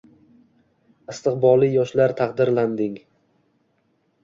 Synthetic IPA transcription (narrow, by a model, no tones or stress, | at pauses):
ɪst̪ɨqbɒlˠijɒʃlaɾt̪ʰaqd̪ɪɾland̪ɪŋ